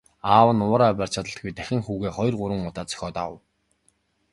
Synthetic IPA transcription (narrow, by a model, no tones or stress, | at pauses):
aːwə̆nʊːɾaːpʲar̥t͡ɕʰat̪ə̆ɬt̪̚ɡujt̪æxʲɪ̆ŋxuːɣeːχɔj̆rɢʊɾwə̆ŋʊt̪aːt͡sœ̥xʲɔːt̪a̰w̰̆w